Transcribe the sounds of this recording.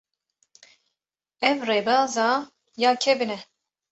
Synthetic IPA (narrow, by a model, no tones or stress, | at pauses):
ɛvreːbɑːzɑː | jaːkʰɛbinɛ